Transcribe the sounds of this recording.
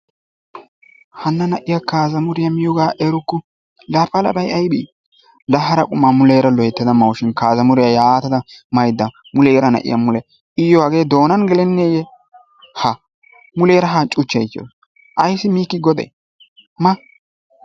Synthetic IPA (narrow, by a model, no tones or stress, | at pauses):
hɐnːɐnɐʔɪjakaːzɐmʊɾɪjɐmɪjɔɡaːʔɛɾʊkːʊ | laːpːɐlɐ̰bɐjɐjbiː | lɐɦːɐɾɐkʼʊmːaːmʊleːɾɐlɔjɛt̪ːɪd̪ɐmɐwʃɪnkaːzɐmʊɾɪjajaːt̪ɐd̪ɐmɐjd̪ːɐ | mʊleːɾɐnɐ̰ʔɪ̰jɐmʊlɛ | ʔɪjːɔwɐɡeːd̪o̞ːnɐnɡɛlɛnːeːjɛ | hɐ | mʊleːɾɐɦɐt͡ʃʼʊt͡ʃːɐjt̪ːjo̰ːs | ʔɐjsːɪmiːkːɪɡɔd̪ɛ̰j | mɐ